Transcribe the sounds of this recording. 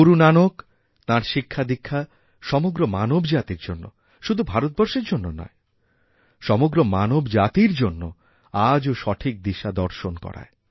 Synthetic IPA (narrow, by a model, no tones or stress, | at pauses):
uɾunanok | t̪ãɾʃikʰːad̪ikʰːa | ʃɔmoɡɾomanobd͡ʑat̪iɾd͡ʑonːo̰ | ʃud̪ʱubʱaɾot̪̚bɔɾʃeɾd͡ʑonːonɔ̰e | ʃɔmoɡɾomanobd͡ʑat̪iɾd͡ʑonːo | ad͡ʑoʃɔʈʰik̚d̪iʃad̪ɔɾʃonkɔ̰ɾa̰e